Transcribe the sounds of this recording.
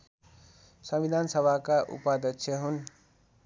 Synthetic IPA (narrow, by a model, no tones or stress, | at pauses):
sʌmid̪ʱansʌbʱakaʔṵpad̪ʌkt͡ʃʰjʌɦun